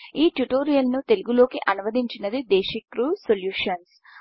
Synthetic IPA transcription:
iːʈjuʈoːɾijɐlnut̪e̞luɡulo̞ːkiʔɐnuʋɐd̪iɲt͡ʃinɐd̪id̪eːʃikɾusoljuːʂɐns

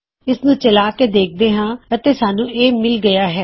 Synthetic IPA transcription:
ɪsnũːt͡ʃəlaːkeːd̪eːk̚ʰd̪eːɦãːət̪eːsaːnũːʔeːmɪlɡəjaːɦɛː

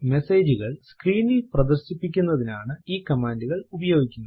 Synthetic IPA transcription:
me̞seːd͡ʑuɣɐɭskriːnilprɐd̪ɐrɕipːikʲːunːɐðinaːɳɨiːkɐmaːnduɣɐɭubɐjo̞ːɡikʲːunːɐ

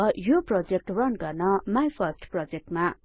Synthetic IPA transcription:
ʌjoprod͡zek̚ʈrʌnɡʌrnʌmajpʰʌsʈprod͡zek̚ʈma

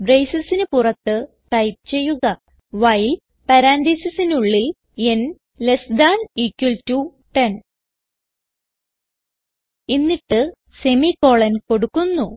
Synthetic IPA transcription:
brejsɐsinɨpurɐt̪ːɨ | ʈɐjp̚t͡ɕe̞jːuɣɐ | ʋɐjl | pɐɾaːnd̪iːsɐsinuɭːil | en | lesd̪aːniːkːɐltu | ʈen | inːiʈːɨ | se̞miko̞ːɭɐnko̞ɽukːunːu

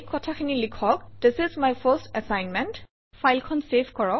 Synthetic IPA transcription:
kːɔtʰakʰinilikʰɔk̚d̥ɪsɪzmajfəstɛsajnmɛ̃nt | fʰajlkʰɔnsepʰkɔɹɔ

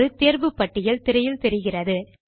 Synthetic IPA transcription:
ɯt̪eːɾʋɯpːɐʈːɪjɪlt̪ɪɾɐjɪlt̪ɛɾɪɣɪrɐðɯ

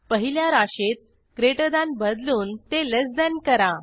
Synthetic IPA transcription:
pəɦiljaɾaɕet̪̚ | kɾeʈəd̪ãnbəd̪luːnt̪eləsd̪ənkəɾa

